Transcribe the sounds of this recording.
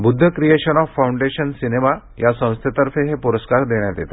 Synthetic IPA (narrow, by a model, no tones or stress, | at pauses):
bud̪ʱːəkɾijeɕənɔfːawuɳɖeɕənsinema | jasə̃w̃st̪ʰet̪əɾfeɦepuɾəskaɾd̪eɽjad̪et̪a